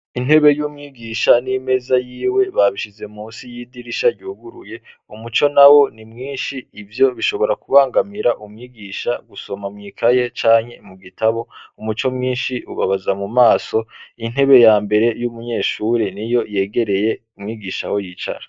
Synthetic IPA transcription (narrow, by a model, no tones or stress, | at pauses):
in̥he̞βe̞juːmŋiːɡiːʃanime̞zajiːwe̞βaβiʃize̞muːnsijiːdiɾiʃaɟuːɡuɾuje̞ | umut͡ʃo̞nawo̞nimŋiːnʃiːvjo̞βiʃo̞βo̞ɾakuβaːŋɡamiɾaʔumŋiːɡiːʃaɡuso̞mamŋiːkʰaje̞t͡ʃaːɲe̞muɡitʰaβo̞umut͡ʃo̞mŋiːnʃiuβaβazamumaːso̞in̥he̞βe̞jaːmbe̞ɾe̞jumuɲe̞ːʃuɾenijo̞je̞ːɡe̞ɾe̞je̞ | umŋiːɡiːʃaho̞jit͡ʃa̰ɾa